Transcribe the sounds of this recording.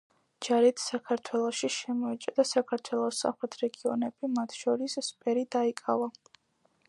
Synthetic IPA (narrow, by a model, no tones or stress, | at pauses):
d͡ʒaɾit̪ʰsakʰaɾt̪ʰwɛlˠɔʃiʃɛmɔɛt͡ʃʼd̪asakʰaɾt̪ʰwɛlˠɔsa̰mχɾɛt̪ʰɾɛɡiɔnɛbimat̪ʰʃɔɾisspʼɛɾid̪aikʼava